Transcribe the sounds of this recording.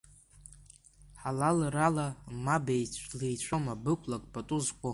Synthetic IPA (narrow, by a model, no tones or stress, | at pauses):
ħalalralamabejt͡ɕʷʰlejt͡ɕʷʰomabɨkʷʰʼlakʷʼpʰʼatʼuzkʷʼo